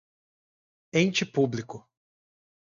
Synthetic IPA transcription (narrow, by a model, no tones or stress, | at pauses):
ẽt͡ʃɪpublikʊ